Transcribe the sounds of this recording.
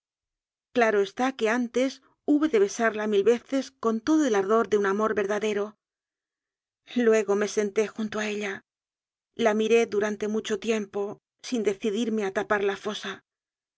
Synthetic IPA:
klaɾo̞e̞st̪ake̞ant̪e̞s | uβe̞ðe̞βe̞saɾlamilβe̞θe̞sko̞nt̪o̞ðoe̞laɾðo̞ɾðeunamo̞ɾβe̞ɾðaðe̞ɾo̞ | lwe̞ɣ̞o̞me̞se̞nt̪e̞xunt̪oae̞ʎa | lamiɾe̞ðuɾant̪e̞mut͡ʃo̞t̪je̞mpo̞ | sind̪e̞θiðiɾme̞at̪apaɾlafo̞sa

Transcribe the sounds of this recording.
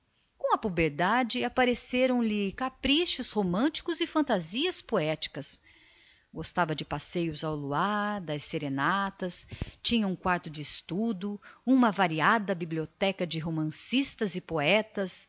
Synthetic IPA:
kõw̃ɐpubeɾd̪ad͡ʒɪapaɾeseɾɐ̃w̃lɪkapɾiʃʊzhomɐ̃t͡ʃi̥kʊzɪfɐ̃nt̪aziɐspoɛt͡ʃi̥kɐs | ɡost̪avɐd͡ʒɪpasejʊzawluaɾd̪ɐsseɾenat̪ɐst͡ʃĩɲɐũkwaɾt̪ʊd͡ʒɪːst̪ud̪ʊũmɐvaɾiad̪ɐbibliot̪ɛkɐd͡ʒɪɦomɐ̃sist̪ɐzɪpoɛt̪ɐs

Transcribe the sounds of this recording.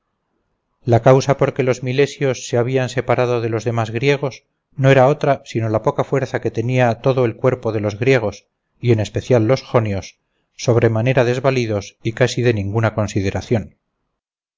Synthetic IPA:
lakawsapo̞ɾke̞lo̞zmile̞sjo̞sːeaβ̞ianse̞paɾaðo̞ðe̞lo̞zðe̞mazɣɾje̞ɣ̞o̞s | no̞eɾao̞t̪ɾasino̞lapo̞kafwe̞ɾθake̞t̪e̞niat̪o̞ðoe̞lkwe̞ɾpo̞ðe̞lo̞zɣɾje̞ɣ̞o̞s | ie̞ne̞spe̞θjalːo̞sxo̞njo̞sː | o̞β̞ɾe̞mane̞ɾaðe̞zβaliðo̞sikasiðe̞nĩŋɡunako̞nsiðe̞ɾaθjon

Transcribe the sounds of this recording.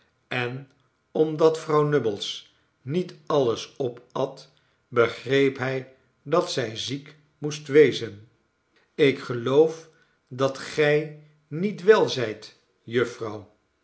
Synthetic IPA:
ɛn | ɔmdɑtfrɑwnɵbəlˠs | nitɑləsɔpɑt | bəχrejpɦɛj | dɑtsɛjzik | mustʋejzən | ɪkχəlowf | dɑtχɛj | nitʋɛlˠzɛjt | jɵfrɑw

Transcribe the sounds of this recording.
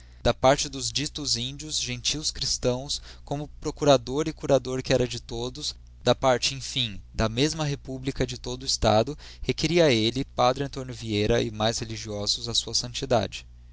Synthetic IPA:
d̪̥ɐpaɾt͡ʃɪd̪ʊzd͡ʒit̪ʊzĩd͡ʒiʊzʒẽnt͡ʃiwskɾist̪ɐ̃w̃skõmʊpɾokuɾad̪oɾɪkuɾad̪oɾkɪɛɾɐd͡ʒɪt̪od̪ʊs | d̪̥ɐpaɾt͡ʃɪẽj̃fĩd̪ɐmezmɐɦepublikɐd͡ʒɪt̪od̪ʊɪst̪a̰d̪ʊ | hekeɾiɐelɪpad̪ɾɪɐ̃nt̪õnjʊviejɾɐɪmajsheliʒiɔzʊzɐsuɐsɐ̃nt͡ʃid̪a̰d͡ʒɪ

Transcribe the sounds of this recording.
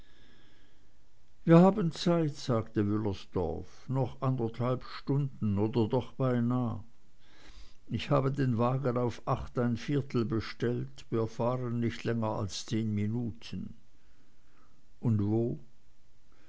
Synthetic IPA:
viːɐhaːbənt͡saɪtz̥aːɡtəvʏləsd̥ɔ̰ɐfnɔχʔandɐthalpʃtʊndn̩oːdɐdɔχb̥aɪnaː | ɪçhaːbədeːnvaːɡənaʊfʔaχtaɪnfɪːɐtʰl̩bəʃtɛltv̥iːɐfaːʁənːɪçtlɛŋəa̰lst͡seːnminuːtʰən | ʔʊndvoː

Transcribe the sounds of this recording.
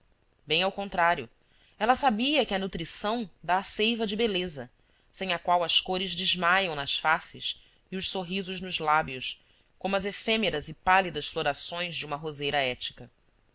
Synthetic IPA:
bẽj̃awkõnt̪ɾaɾjʊ | ɛlɐsabiɐkɪɐnut̪ɾisɐ̃w̃d̪aːsejvɐd͡ʒɪbelezɐ | sẽj̃ɐkwawɐskoɾɪzd͡ʒɪʒmajɐ̃w̃nɐsfasɪs | iʊʃsoɦizʊʒnʊzlabiʊs | kõmʊɐzefemeɾɐzɪpalid̪ɐsfloɾasõj̃zd͡ʒɪũmɐɦozejɾɐɛt͡ʃi̥kɐ

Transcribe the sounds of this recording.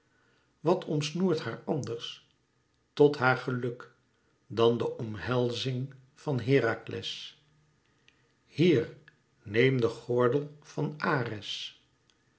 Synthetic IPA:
ʋɑtʰɔmsnuːɹthaːɹɑndəɹs | tɔtɦaːɹχəlɵk | dɑndəʔɔmɦɛlˠzɪŋ | v̥ɑnɦɪːɾaklʔɛ̰s | hiːɹ | nejmdəχɔɹdəlˠvɑnaːrɛs

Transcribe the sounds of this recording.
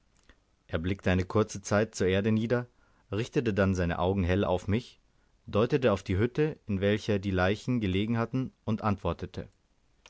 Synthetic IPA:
ʔeːɐblɪk̚təʔaɪnəkʰʊɐt͡sət͡saɪt̚t͡suːɐʔeːɐdəniːdɐ | ʁɪçtətədanzaɪnə̰ʔaʊɡŋ̩ɦɛlʔa̰ʊfmɪç | d̥ɔʏtətəaʊfd̥iːɦʏtəɪnvɛlçɐdiːlaɪçn̩ɡəleːɡŋ̩hatn̩ʔʊntʔantv̥ɔɐtətʰə̰

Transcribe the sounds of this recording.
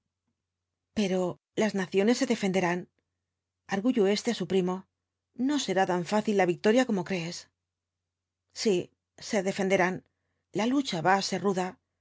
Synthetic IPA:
pe̞ɾo̞ | laznaθjo̞ne̞sːe̞ðe̞fe̞nd̪e̞ɾan | aɾɣuʝoe̞st̪e̞asupɾimo̞ | no̞se̞ɾat̪aɱfaθilːaβik̚t̪o̞ɾjako̞mo̞kɾe̞ːs | si | se̞ðe̞fe̞nd̪e̞ɾan | lalut͡ʃaβaːse̞ɾruða

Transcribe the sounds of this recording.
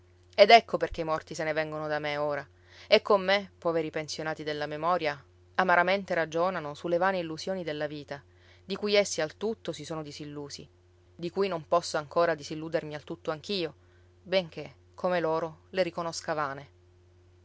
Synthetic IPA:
ed̪ɛkʰːoperk̟eimɔrt̪isenevɛŋɡonod̪ameoːɾa | ekːomːepːɔːveɾipensjonaːt̪id̪elːamemɔːɾja | amaɾament̪eɾad͡ʒoːnanosulːevaːneilːuzjoːnid̪elːaviːt̪a | d̪ikujesːialt̪ut̪ːosisoːnod̪izilːuːsḭ | d̪ikujnompɔsːoaŋkoːɾad̪isilːuːd̪ermialt̪ut̪ːoaŋk̟iːo | beŋk̟e | kʰːomeloːɾoleɾikonoskavaːne

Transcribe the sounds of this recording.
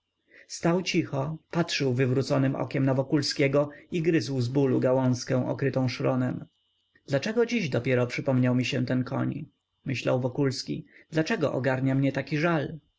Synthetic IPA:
st̪awt͡ɕixɔpatʂɘwvɘvɾut̪sɔnɘmʔɔ̰kʲɛmnavɔkulskʲɛɡɔiɡɾɘzwzbuluɡawɔ̃ñskɛ̃w̃ʔɔ̰kɾɘt̪ɔ̃w̃ʂɾɔnɛm | d̪̥lat͡ʂɛɡɔd͡ʑiʑd̪ɔpʲjɛɾɔpʂɘpɔmɲawmʲiɕɛt̪ɛnkʰɔ̰ɲ | mɘɕla̰wvɔkulskʲḭd̪̥lat͡ʂɛɡɔ̰ʔɔ̰ɡaɾɲamɲɛt̪akʲiʐal

